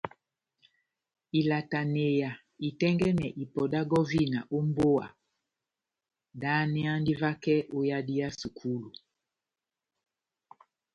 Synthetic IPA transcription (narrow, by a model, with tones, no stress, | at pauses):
i˨la˨ta˨ne˨ja˨ | i˨tɛ˦ŋɡɛ˦nɛ˨ʔi˨pɔ˨ɗa˦ɡɔ˦vi˦na˨ʔo˦m˦bo˦a̰˨ | da˦nɛ˦a˦ndi˦va˦kɛ˦ʔo˦ja˦di˦a˦su˨kʰu˦lu˨